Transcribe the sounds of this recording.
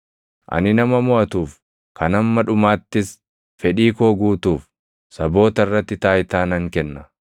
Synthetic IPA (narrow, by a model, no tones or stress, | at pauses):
ʔɐ̰nɪnɐmɐmɔɐt̪uːf | kʰɐnɐmːɐᶑʊmaːt̪ːɪs | fɛᶑiːkoːɡuːt̪uːf | sɐbo̞ːt̪ɐɪrːɐt̪ːɪt̪aːjt̪aːnɐŋkɛnːɐ